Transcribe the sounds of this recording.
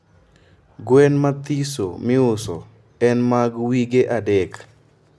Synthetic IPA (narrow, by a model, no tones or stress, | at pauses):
ɡwɛnmat̪iso̰mɪʊsɔ | ɛnmaɡwiɡeʔadɛk